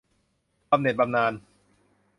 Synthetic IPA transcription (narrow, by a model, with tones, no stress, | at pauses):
ba˧mne˨˩t̪̚ba˧mnaː˧n